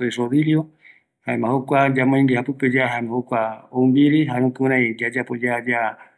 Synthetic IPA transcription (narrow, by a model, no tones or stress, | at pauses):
oesoβiɾio | haemãhokʷad͡ʒamãĩŋɡehapɨped͡ʒaɦanõhokʷaoumbiɾiɦaɾũkɨũɾãĩd͡ʒad͡ʒapod͡ʒad͡ʒa